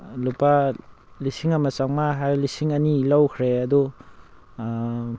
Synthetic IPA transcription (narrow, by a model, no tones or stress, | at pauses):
lupa | lisiŋɐmɐt͡ʃaŋmaɦaɾlisiŋɐnilawkʰɾeɐdu